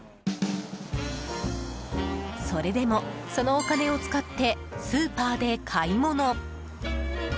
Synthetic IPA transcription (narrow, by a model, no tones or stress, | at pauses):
so̞ɾe̞d̪e̞mo̞so̞no̞ːkane̞o̞t͡sɨ̥kat̪ːe̞ | sɨːpaːd̪e̞kʰaimo̞no̞